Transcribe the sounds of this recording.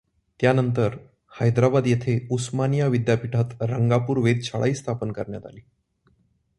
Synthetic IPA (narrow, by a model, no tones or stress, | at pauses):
t̪janənt̪əɾ | hajd̪ɾabad̪jet̪ʰeusmanijaʋid̪japiʈʰat̪ɾəŋɡapuːɾʋed̪̚t͡ɕʰaɭʔa̰iːst̪ʰapənkəɾɳjat̪a̰liː